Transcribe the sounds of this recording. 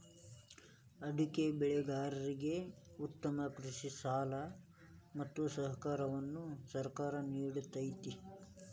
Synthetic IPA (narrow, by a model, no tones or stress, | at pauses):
ɐɖ̪ikebɛɭɛɡaːɾɐɾiɡe̞ut̪ːɐmɐkɾiʂisaːlɐ | mɐt̪ːusɐɦɐkaːɾɐʋɐnːusɐɾkaːɾɐniːɽut̪ɐjt̪i